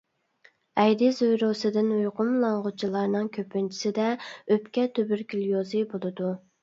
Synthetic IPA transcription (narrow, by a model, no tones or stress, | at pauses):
ɛjd̪ɪzojɾosɨd̪ɪnujqʰʊmlˠɑɴʁʊt͡ʃʰilˠɑɾnɨŋkʲʰøpːynt͡ʃʰi̥sɪd̪ɛøpkʲɛt̪ʰøbyɾkʲʰyljozɨbolˠɨd̪u